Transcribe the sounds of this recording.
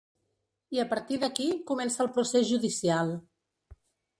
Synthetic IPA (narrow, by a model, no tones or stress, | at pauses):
iəpəɾt̪iðəkikumɛnsəːlˠpɾusezʒuðisialˠ